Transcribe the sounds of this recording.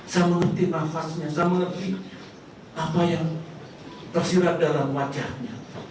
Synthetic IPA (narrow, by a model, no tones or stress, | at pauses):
samalət̪inafasɲasamanənt̪i | ʔapajaŋ | t̪ərsiɾat̪̚dalamwad͡ʒahɲa